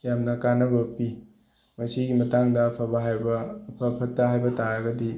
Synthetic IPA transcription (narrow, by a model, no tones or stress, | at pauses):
jamnɐkanɐbɐpi | mɐsiɡimɐtaŋdɐpʰɐbɐɦajbɐpʰɐpʰɐtːɐɦajbɐtaɾaɡɐdi